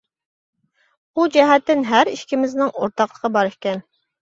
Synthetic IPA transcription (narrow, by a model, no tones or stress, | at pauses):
ud͡ʒɛɦɛt̪ːɪnɦæɾiʃkʲimɪznɪŋoɾt̪ɑqlˠəqʰɑbɑɾɪʃkʲɛn